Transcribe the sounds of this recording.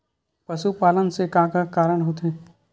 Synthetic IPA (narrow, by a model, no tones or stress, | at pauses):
pɐʃupaːlənsekãːkakaːɾəɽ̃ɦoːt̪ẽː